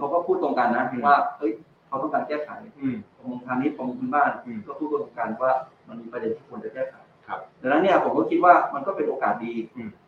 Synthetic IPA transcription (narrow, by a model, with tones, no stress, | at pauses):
kʰa˧wkɔː˥˩pʰuː˥˩t̪ːo˧ŋka˧nːa˦˥˧waː˥˩hɤ˦˥j | kʰa˧wt̪ʰɔ˥˩kaː˧nkɛː˥˩kʰa˩˦jkʰɔ˧mo˧ŋt̪ʰaː˧niː˦˥ɔ˧miː˧kʰu˧nbaː˥˩n˧˩kɔː˥˩pʰuː˥˩t̪ːt̪oː˧ŋkaː˧nwaː˥˩ma˧nmiː˧pɾa˧de˧nt̪ʰiː˥˩ku˧ənt͡ɕa˧kɛː˥˩kʰa˩˦jʰp̚dɛ˧˩na˦˥nːi˥˩ɐpʰo˩˦kɔː˥˩kʰi˦˥t̪̚waː˥˩ma˧nkɔ˥˩pe˧nʔoː˧kaː˨˩t̪̚diː˧˩